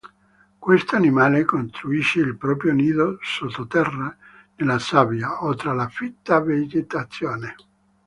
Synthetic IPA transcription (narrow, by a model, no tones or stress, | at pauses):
kwest̪oanimaːlekont̪ɾuiʃːeilpɾɔːpɾjoniːðosot̪ːot̪ɛrːa | nelasavjaot̪ɾalafit̪ːaved͡ʒet̪at̪sːjoːne